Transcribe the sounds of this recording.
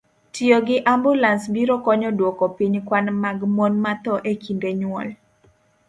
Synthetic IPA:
tjoɡɪʔambulansbiɾɔkɔɲɔdwɔkɔpiɲkwanmaɡmonmat̪ɔʔekindeɲwɔl

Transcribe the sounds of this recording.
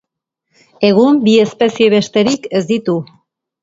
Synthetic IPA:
e̞ɣumbie̞spe̞sie̞βe̞ʃt̪e̞ɾike̞zd̪it̪u

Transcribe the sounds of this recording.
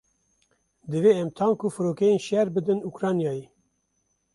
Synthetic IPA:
d̪ɨveːɛmt̪ʰɑːnkufɨɾoːkɛjeːnʃɛɾbɨd̪ɨnukɾɑːnjɑːje

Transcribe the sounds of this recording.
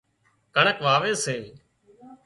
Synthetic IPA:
kəɳəkʋaːʋeːsẽː

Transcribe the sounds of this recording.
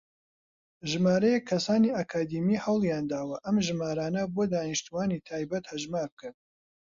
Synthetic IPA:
ʒɨmaːɾɐjɛkʰːɐsaːniːakʰaːd̪imihɐwlˠjaːnd̪aːwɐʔɐmʒɨmaːɾaːnɐboːd̪aːniʃt̪uwaːnit̪ʰaːjbɐt̪hɐʒmaːɾb̚kɨn

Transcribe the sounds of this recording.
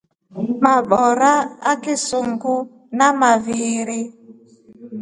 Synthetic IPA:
maɓɔɾaakɪsuŋɡʊ | namaviɾi

